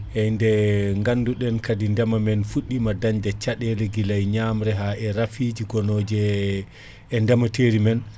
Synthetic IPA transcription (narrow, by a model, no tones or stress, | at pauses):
ʔɛndɛŋɡanduɗɛnkadindɛmamɛnfuɗːimadaɲdɛt͡ʃaɗɛlɛɡilajɲamɾɛɦaʔɛɾafid͡ʒiɡɔnoːd͡ʒɛ | ɛndɛmateɾimɛn